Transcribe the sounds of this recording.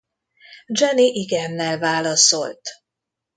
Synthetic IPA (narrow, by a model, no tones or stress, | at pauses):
d͡ʒɛniʔiɡɛnːɛlvaːlɒso̞lt̪